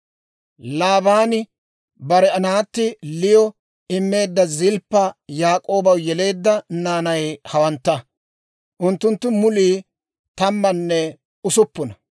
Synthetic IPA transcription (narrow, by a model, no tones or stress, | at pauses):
laːbaːnɪ | bɐɾɛɐnaːt̪ːɪlɪjɔ | ɪmːe̞ːd̪ːɐzɪlpːɐjaːkʼo̞ːbɐwjɛle̞ːd̪ːɐnaːnɐjhɐwɐnt̪ːɐ | ʔʊnt̪ːʊnt̪ːʊmʊliː | t̪ɐmːɐnːɛ | ʊsʊpːʊnɐ